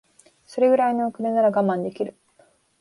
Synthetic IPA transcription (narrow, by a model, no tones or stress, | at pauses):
so̞ɾe̞ɡɯ̟ɾaino̞ːkɯ̟nenaɾaɡamãnd̪e̞kʲiɾɯ̟